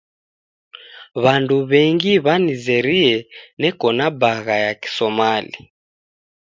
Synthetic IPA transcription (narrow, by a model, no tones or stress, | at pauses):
βanduβɛŋɡiβanizɛɾiɛnɛkɔnabaɣajaki̥sɔmali